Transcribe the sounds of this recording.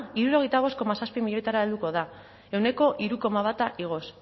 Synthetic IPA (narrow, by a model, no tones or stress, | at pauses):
iɾuɾo̞ɣ̞ejt̪aβ̞o̞sko̞masaspimiʎojt̪aɾaeld̪uko̞ð̞a | e̞wne̞ko̞ʔiɾuko̞maβ̞at̪aʔiɣ̞o̞s